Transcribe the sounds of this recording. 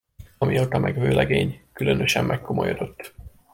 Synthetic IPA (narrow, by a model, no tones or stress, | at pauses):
ɒmiot̪ɒmʔɛɡvøːlɛɡeːɲkylø̞nøʃɛmːʔɛkːo̞mojod̪̥o̞t̪ː